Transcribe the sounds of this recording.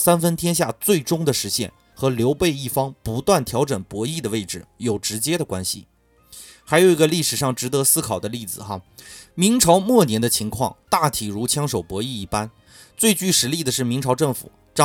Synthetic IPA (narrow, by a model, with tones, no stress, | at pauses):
sa˥nfə˥nt̪ʰjɛ˥nɕ̬ja̰˥˧t͡swe˥˩ɪʈ͡ʂʊ˥ŋd̪ə˨ʂɻ̩˧˥ɕjɛ̰˥˩n | xɤ˧˥ljo˧˥ʊpe˥˧ɪi˥˩fɑ˥ŋpu˧˥t̪wa˥˩nt̪ʰjɑ˧˥ʊʈ͡ʂə˨˩npwɔ˧˥i˥˩d̪ə˩we˥˩ɪʈ͡ʂɻ̩˩jo˨˩ʊʈ͡ʂɻ̩˧˥t͡ɕjɛ˥d̪ə˨kwa̰˥nɕḭ˨˩ | xa˧˥ɪjo˨˩ʊi˧˥ɡə˧li˥˩ʂɻ̩˨˩ʂɑ˥˩ŋʈ͡ʂɻ̩˧˥t̪ɤ˧˥sɹ̩˥kʰɑ˨˩ʊd̪ə˦li˥˩d͡zɹ̩˨˩xɐ˧mi˧˥ŋʈ͡ʂʰɑ˧˥ʊmwɔ˥˩njɛ˧˥nd̪ə˧t͡ɕʰi˧˥ŋkʰwɑ̰˥˧ŋt̪a˥˩t̪ʰi˨˩ɻu˧˥t͡ɕʰjɑ˥ŋʂo˨˩ʊpwɔ˧˥i˥˧i˥˩pa˥n | t͡swe˥˧ɪt͡ɕy˥˩ʂɻ̩˧˥li˥˩d̪ə˩ʂɻ̩˥˩mi˧˥ŋʈ͡ʂʰɑ˧˥ʊʈ͡ʂɤ˥˩ŋfṵ˨˩ | ʈ͡ʂ